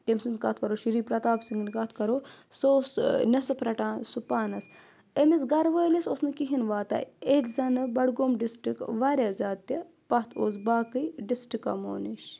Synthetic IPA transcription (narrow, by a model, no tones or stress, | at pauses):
t̪emsund̪kɐt̪ʰkɐɾoʃiɾiːpɾɐt̪aːbsiŋɡinkat̪ʰkɐɾosoːsnʲɐsɐpɾɐʈãːnsupaːnɐs | emit͡sɡɐɾʋəlesosnɨkiɦinʋaːt̪a̰ːetzɐnɐbɐɽɡoːmɖisʈɾikʋaɾʲjad͡zaːt̪ːɐ | pɐt̪ʰo̰ːt͡sbaːkɨjɖisʈika̰mo̰ːniʃ